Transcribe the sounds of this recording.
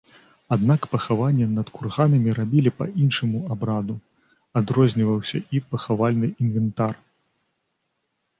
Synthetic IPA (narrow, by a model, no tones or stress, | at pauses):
ad̪nakpɐxavanʲːɛnɐt̪kurɣanɐmʲiɾabʲilʲipɐ̰ʔinʂɐmuabɾad̪u | ad̪ɾɔzʲnʲivɐwsʲɐipɐxavalʲnɨinvɛnt̪ar